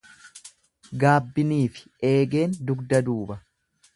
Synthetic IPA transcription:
ɡaːbːɪniːfɪ̥ | e̞ːɡe̞ːnd̪ʊɡd̪ɐd̪uːbɐ

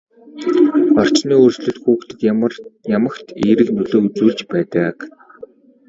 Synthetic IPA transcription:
ɔr̥t͡ɕniːɵrsɮɵ̆ɮxuːkt̪ɘ̆k̪jamə̆kt̪ʰeːɾɘ̆knɵɮoːut͡suːɮt͡ɕpæːt̪ə̆k

